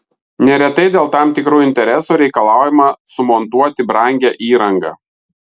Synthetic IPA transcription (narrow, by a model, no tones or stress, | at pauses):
nʲɛɾʲɛt̪ɐɪd̪ʲeːlˠt̪ɑˑmt̪ʲɪkɾuːɪnʲt̪ʲɛɾʲɛsuːɾʲɛɪkɐlˠɑˑʊjɪmɑsʊmɔnt̪uɔt̪ʲɪbɾɑˑŋʲɡʲæːʔiːɾɐŋɡɐ̰ː